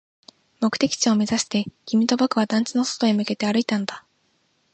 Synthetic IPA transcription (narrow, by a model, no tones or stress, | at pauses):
mo̞kɯ̥t̪e̞kʲi̥t͡ɕio̞mʲe̞zaɕi̥t̪e̞ɡ̥ʲimʲit̪o̞bakɯ̟βad̪ãɲ̟t͡ɕino̞so̥t̪o̞emɯ̟ke̞t̪e̞aɾɯ̟it̪anod̪a